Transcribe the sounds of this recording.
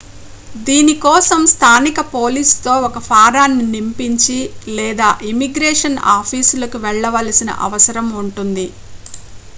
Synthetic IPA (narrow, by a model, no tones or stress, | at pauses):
d̪iːnikɔːsɐmst̪ʰaːnikɐpo̞ːliːst̪o̞ːɔkɐpʰaːɾaːnːinimpiɲt͡ʃilɛːd̪aːʔimiɡɾɛːʂɐna̰ːpʰiːsulɐkuʋɛɭːɐʋɐlɐsinɐ̰ʔɐ̰ʋɐsɐɾɐmuɳʈund̪i